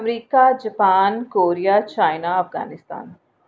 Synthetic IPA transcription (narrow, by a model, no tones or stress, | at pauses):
ɐmɾiːkad͡ʒɐpaːnkoːɾijat͡ʃaːjnaɐfɡa̰ːnɪst̪a̰ːn